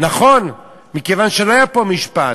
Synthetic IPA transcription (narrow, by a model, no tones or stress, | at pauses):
naχo̞n | mikevanʃeloajapo̞miʃpa